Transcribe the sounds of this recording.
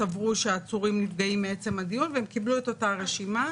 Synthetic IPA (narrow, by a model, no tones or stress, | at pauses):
avʁuʃeaːt͡suʁimnitɡaimːee̞t͡se̞madijunveemkiblueto̞taʁe̞ʃima